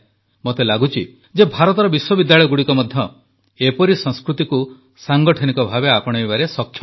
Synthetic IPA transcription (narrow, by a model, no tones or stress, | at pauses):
mot̪elaɡut͡ʃʰi | d͡ʒebʱaɾɔt̪ɔɾɔbiswɔbid̪jaɭɔjɔɡuɽikɔmɔd̪ʱjɔ | epɔɾisɔ̃skɾut̪iku | saŋɡɔʈʰɔnikɔbʱabeapɔɽ̃eibaɾesɔkʰːj